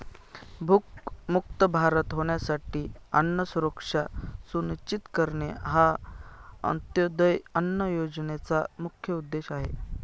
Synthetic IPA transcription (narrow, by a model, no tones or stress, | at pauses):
bʱukmukt̪əbʱaɾət̪ɦoɳ̃jasaʈiːənːəsuɾəkʂasunit͡ɕit̪kəɾɳeɦa | ə̰nt̪jod̪əjənːəjod͡ʑnet͡samukʰːjəud̪ːeɕaɦe